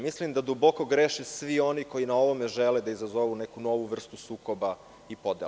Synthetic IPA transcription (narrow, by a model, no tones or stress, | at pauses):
mislimd̪ad̪ubo̞ko̞ɡɾeʃesʋio̞niko̞jinao̞ʋome̞ʒeled̪aizazoʋunekuno̞ʋuʋr̩st̪usuːkoba | ipo̞d̪ḛ